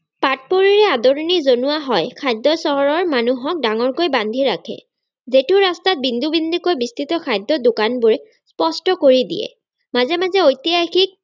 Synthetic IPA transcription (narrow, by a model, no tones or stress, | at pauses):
pat̚poɹiɹɛadoɹnizonuwaɦɔjkʰajd̪ːɔsɔɦɔɹɔɹmanuɦɔk̚daŋɔɹkojband̪ʱiɹakʰɛ̰ | zetʊɹastat̚bind̪ʱubind̪ʱikojbist̪ʰit̪ɔkʰajd̪ːɔdʊkanbʊɹɛ | spɔstɔkoɹidḭjɛ̰ | mazɛmazɛojt̪iajxik̚